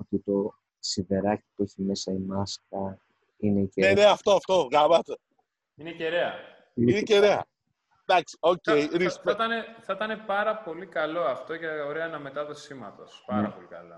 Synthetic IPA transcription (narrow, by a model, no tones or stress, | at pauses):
ot̪it̪o̞ | siðe̞ɾɐci̥pueçime̞sɐimɐskɐ | ineieneneɐft̪oɐft̪o̞vɣɐmɐt̪e | ineceɾeɐ | ineceɾeɐ̰ | d̪ɐksi̥o̞cejɾist̪ɐneθɐit̪ɐne̞pɐɾɐpo̞likɐlo̞ɐft̪o̞ʝɐoɾeɐenɐme̞t̪ɐðosimɐt̪ospɐɐpolikɐlɐ